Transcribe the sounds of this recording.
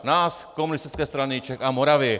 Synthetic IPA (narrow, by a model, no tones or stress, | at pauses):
naːskɔmunist̪it͡skɛːst̪ɾanit͡ʃɛkamɔɾaʋɪɛ